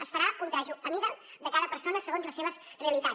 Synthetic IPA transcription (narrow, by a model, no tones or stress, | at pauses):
əsfəɾakunt̪ɾaʒuəmiðənd̪əkaðəpəɾsonəsəɣonzləseβəzreəlit̪a